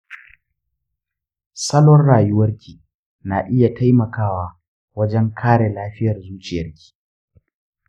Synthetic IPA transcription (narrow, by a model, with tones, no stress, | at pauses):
sɐ˦lɔ˦rɽaː˨jʊ˦wɐ˦rkʲiː˨ | naː˨ʔɪ˦ja˨ta˦jmɐ˨kaː˦waː˦ | wɐ˦d͡ʒɛ˦ŋkʰaː˦ɽe˨laː˦ɸɪ˦jɐ˨rzuː˦t͡ʃʼɪ˨jɐ˦rkʲi̥ː˨